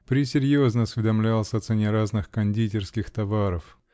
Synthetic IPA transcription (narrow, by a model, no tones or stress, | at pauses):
pɾʲɪsʲɪɾʲjoznəɐsvʲɪd̪ɐmlʲalˠsʲəɐt̪sɛnʲɪɾaznɨxkɐnʲdʲitʲɪrskʲɪxt̪ɐvaɾəf